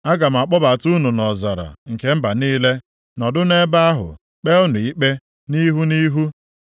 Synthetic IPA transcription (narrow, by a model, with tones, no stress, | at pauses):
a˦ɡa˨m̩˨a˨k͡pɔ˦ba˨tu˦nu˨nɔ˨za˨ɾa̰˨ŋ̩˨ke˦m̩˦ba˨niː˦le˦ | nɔ˨dʊ˦ne˦ba˦a˦ɦʊ̰˨ | k͡pe˦ʊ˦nʊ˨i˦k͡pe˦ | ni˦ɦu˦ni˦ɦu˦